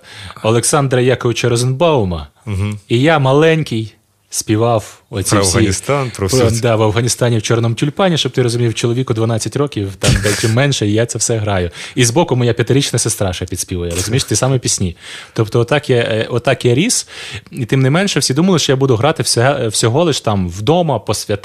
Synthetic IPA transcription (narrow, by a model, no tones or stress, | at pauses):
ɐlˠeksɑnd̪ɾɐjakɔʋʲɪt͡ʃɐɾɔzɪnbɑʊmɐ | ijamɐlˠɛnʲkʲɪj | sʲpʲiʋɑwɔsʲisɐiist̪ɑnpɾd̪ɑʋɐwɦɐnʲist̪ɑnʲiwt͡ʃɔrnɔmʊtʲʊlʲpɑnʲiʃt͡ʃɔbt̪ɪɾɔzʊmʲiwt͡ʃɔlˠɔʋʲikʊd̪ʋɐnɑt͡sʲːɐtʲrɔkʲiwt̪ɑmd̪ɛlʲtʲɪmːɛnʃɛijat̪sɛwsɛɦɾɑjʊizbɔkʊmɔjapʲɐt̪ɪɾʲit͡ʃnɐsest̪ɾɑʃɐpʲid̪sʲpʲiʋɐjɛɾɔzʊmʲiʃt̪ɪsɑmɛpʲisʲnʲit̪ɔpt̪ɔɔt̪ɑkjɛɔt̪ːɑkjɛɾʲisit̪ɪmnɛmɛnʃɛwsʲid̪umɐlˠɪʃt͡ʃɔjabud̪ʊɦɾɑt̪ɪwsʲɛwsʲɔɦɔlˠɪʃt̪ɑmwd̪ɔmɐpɔsʲʋʲɐt̪